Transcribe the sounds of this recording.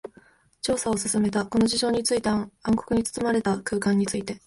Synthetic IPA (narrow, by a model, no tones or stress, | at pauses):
t͡ɕo̞ːsaosɨsɨme̞t̪ako̞no̞ʑiʑo̞ːɲ̟it͡sɨit̪eãŋkokɯ̟ɲ̟it͡sɨ̥t͡sɨmaɾe̞t̪akɯ̟ːkãɲ̟ːit͡sɨit̪e̞